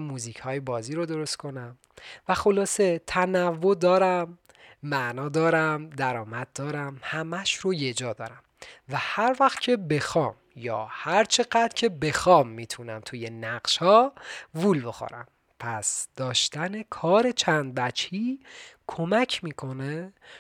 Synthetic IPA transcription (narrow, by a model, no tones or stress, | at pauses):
mːuːziːcʰhɒːjebɒːziːɾod̪o̞ɾo̞st̪kʰo̞næm | væxo̞lɒːse̞t̪ʰænævːo̞d̪ɒːɾæmː | æʔnɒːd̪ɒːɾæmd̪æɾɒːmæd̪̚d̪ɒːɾæmhæmæʃɾoje̞d͡ʒɒːd̪ɒ̰ːɾæmvæhæɾvæxt̪cʰe̞be̞xɒːm | jɒ̰ːhæɾt͡ʃʰe̞ɢæd̪ɾcʰe̞be̞xɒːmːiːt̪ʰunæmt̪ʰuje̞næɢʃhɒːvulbexo̰ɾæ̰m | pʰæsd̪̥ɒːʃt̪æne̞kʰɒːɾe̞t͡ʃʰænd̪̚bæt͡ʃʰiːkʰo̞mæcʰmiːkʰo̞ne